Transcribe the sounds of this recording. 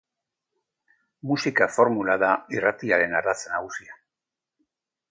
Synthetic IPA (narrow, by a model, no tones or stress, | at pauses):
musikafo̞ɾmulaðairat̪iaɾe̞naɾat͡senaɣusia